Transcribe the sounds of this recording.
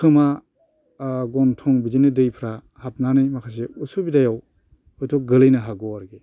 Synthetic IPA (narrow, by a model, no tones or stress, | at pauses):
kʰɯma | ɡɔntʰɔŋbidinɯdɯjpʰɾa | hap̚nanɯjmakʰas̬eusubidajaw | ɔjtʰɔk̚ɡɯlɯjnɯɦaɡɔaɾɡe